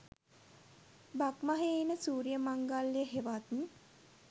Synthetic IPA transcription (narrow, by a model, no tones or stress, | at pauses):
bakmaɦeinəsuːɾijəmaŋɡalːijəɦeʋat̪ni